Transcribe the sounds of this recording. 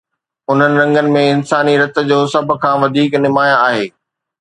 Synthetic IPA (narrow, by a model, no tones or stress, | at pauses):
ʊn̤ənɪ̆ɾɐ̃ŋɡənɪ̆mẽɪnsaːniɾɐt̪ə̆d͡ʑoːsɐb̆ʱkʰãːʋɐd̪ʱiːknɪmaːjãaːɦeː